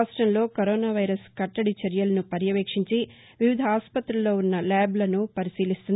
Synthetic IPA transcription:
sʈɾɐnlo̞ːkɐɾoːnaːʋɐjɾɐskɐʈːɐɽit͡ʃɐɾjɐlɐnupɐɾjɐʋeːkʂiɲt͡ʃi | ʋiʋid̪ʱɐaːspɐt̪ɾɐlːo̞ːunːɐlɛːblɐnupɐɾisiːlist̪und̪

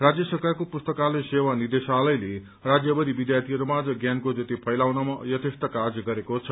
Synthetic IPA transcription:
rad͡zjʌsʌkarkopust̪ʌkalesewanird̪esalʌjle | rad͡zjʌbʌd̪ibid̪jart̪ʰiɾumad͡zʌɡjankod͡zʌt̪ipʰʌjlawnʌmʌjʌt̪ʰest̪ʌkad͡zɡʌɾekot͡sʰʌ

